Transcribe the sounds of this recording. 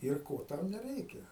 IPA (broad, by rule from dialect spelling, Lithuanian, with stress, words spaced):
ɪr ˈkoː ˈtɐʊ nʲɛˈrʲɛɪkʲɛ